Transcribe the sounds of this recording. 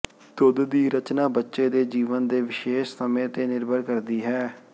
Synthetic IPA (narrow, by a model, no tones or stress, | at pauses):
t̪ʊd̪d̪iːɾət͡ʃnaːbətːʃeːd̪eːd͡ʒiːʋənd̪eːʋɪʃeːʃsəmẽːt̪eːnɪɾbʱəɾkəɾd̪iːɦɛː